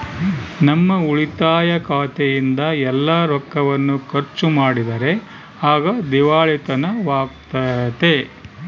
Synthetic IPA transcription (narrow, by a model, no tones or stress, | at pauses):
nɐmːɐuɭit̪aːjɐkaːt̪ejind̪ɐɛlːaːɾɔkːɐʋɐnːukɐɾt͡ʃːumaːɽid̪ɐɾe̞ | aːɡɐd̪iʋaːɭit̪ɐnɐʋaːɡ̚t̪ɐt̪e